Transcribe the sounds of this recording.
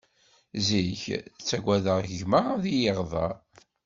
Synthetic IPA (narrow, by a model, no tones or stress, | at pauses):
ziçt͡sːæɡʷæðəʁəʝməʁðijəʁðˤɑ̰